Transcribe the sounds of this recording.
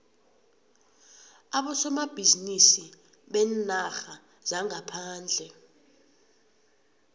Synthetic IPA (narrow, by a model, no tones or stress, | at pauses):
aɓɔsɔmab̥ʱizinisi | ɓɛnaxa | z̥aŋapʰaːnd͡ɮʱɛ